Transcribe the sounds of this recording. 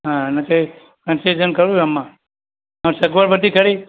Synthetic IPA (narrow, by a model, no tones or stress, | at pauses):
ɦãnẽkəi | kənsid͡ʒənkəɾũəmːã | ə̃msəɡʋəɾbəd̪ʱikəɾi